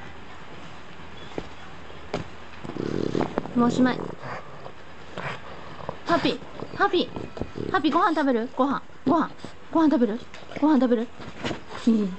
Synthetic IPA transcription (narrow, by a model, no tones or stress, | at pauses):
moːɕimaɕḭ | hapʲːi | hapʲihapʲːiɡo̞hãnt̪abe̞ɾɯ̟ɡ̥o̞ɦã | ɡohã | ɡo̞hãnt̪abe̞ɾɯ̟ | ɡ̥o̞hãnt̪abe̞ɾɯ̟ | i